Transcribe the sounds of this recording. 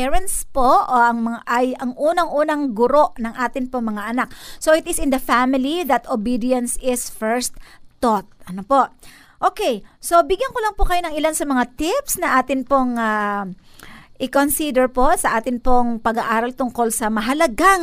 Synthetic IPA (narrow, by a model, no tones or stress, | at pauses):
ɛɹɐnt̪spoʔoʔɐŋmɐŋaʔɐjɐŋʔuːnɐŋʔuːnɐŋɡʊɾo̞ʔnɐŋʔaːt̪ɪnpoŋmɐŋaʔɐnak̚soʔɪt̪ɪsɪnd̪ɐfamɪliðɐt̪obid̪ɪjɐnsɪsfɛɹst̪ːot̪̚ʔɐnopo̞ʔ | ʔoːkɛjso̞bɪɡjɐnkolɐŋpokɐjonɐŋɪlansɐmɐŋat̪ɪpsnɐʔaːt̪ɪnpoŋa | ʔɪkonsid̪ɛɹpo̞sɐʔaːt̪ɪnpoŋpɐɡaʔaːɾɐlt̪ʊŋko̞lsɐmɐɦɐlɐɡaŋ